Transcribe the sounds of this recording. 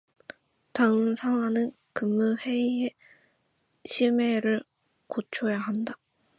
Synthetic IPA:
taŋɯnsʰaŋɦwanɯn | kɯmːuhe̞ie | ɕʰime̞ɾɯɭ | kot͡ɕʰojaɦanda

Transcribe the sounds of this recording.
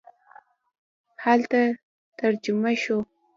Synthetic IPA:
halt̪a | tt̪aɾd͡ʒʊmaʃo

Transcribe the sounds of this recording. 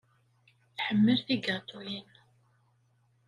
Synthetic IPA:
θħəmːəlθiɡat̪ˤulin

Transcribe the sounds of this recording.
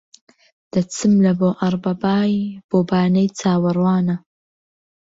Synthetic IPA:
d̪̥ɐt͡sɨmlɐboːʔɐɾˤbɐbaːjb̥oːbaːnɐjt͡sʰaːwɐrwɑːnɐ

